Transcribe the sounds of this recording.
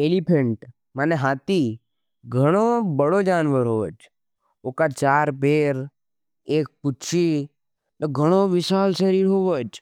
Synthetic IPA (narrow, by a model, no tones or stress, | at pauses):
eːlipʰəɳʈ | maːneɦaːt̪i | ɡʱəɽ̃obəɽod͡ʒaːnʋəɾɦoːəd͡ʒ | oːkat͡ʃaːɾpeːɾ | eːk̚pʊt͡ʃʰi | t̪oɡʱəɽ̃oʋɪsaːlʃəɾiːɾɦoːʋəd͡ʒ